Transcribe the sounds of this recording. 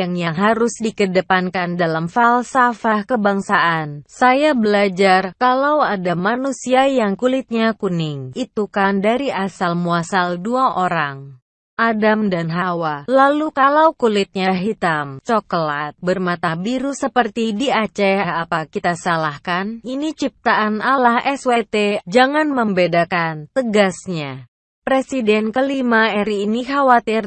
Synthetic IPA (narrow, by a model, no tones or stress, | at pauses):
aŋjaŋɦaɾʊsdikədəpankandalamfalsafahkəbaŋsaʔansajabəlad͡ʒarkalawadamanusiajaŋkulɪt̪̚ɲakunɪŋʔit̪ukandaɾiʔasalmuasalduaʔoɾaŋ | ʔadamdanɦawalalukalaukulɪt̪̚ɲaɦit̪amt͡ʃɔklat̪̚bərmat̪abiɾusəpərt̪idiat͡ʃɛhaɦapakit̪asalahkaninit͡ʃip̚t̪aʔanalahʔɛswet̪ed͡ʒaŋanməmbedakant̪əɡasɲa | pɾesidɛnkəlimaɛɾiːnixawat̪ɪr